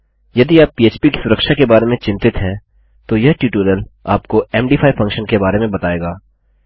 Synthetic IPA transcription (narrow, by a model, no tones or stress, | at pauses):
jɐd̪iaːpːiːeːt͡ʃpiki̥sʊɾəkʃakebaːɾemẽt͡ʃɪ̃mt̪ɪt̪ɦɛ̃ | t̪ojɐɦʈuːʈoːɾəla̰ːpkoɛːmɖiːpʰaːifʰɐ̃ŋkʃənkebaːɾemẽbɐt̪aːeːɡaː